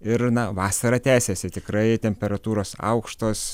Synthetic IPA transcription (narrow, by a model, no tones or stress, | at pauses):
ɪɾnɐʋɑːsɐɾɐːt̪ʲæːsʲeːsʲɪt̪ʲɪkɾɐɪt̪ʲɛmʲpʲɛɾɐt̪uːɾoːsɐ̰ʊkʃt̪oːs